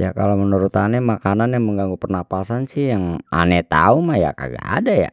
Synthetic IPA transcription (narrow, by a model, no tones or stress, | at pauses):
ja̰ka̰lomənuɾut̪anɛmakananjaŋməŋɡaŋɡupərnapasansihjaŋa̰nɛt̪a̰umaja̰ka̰ɡa̰a̰daja̰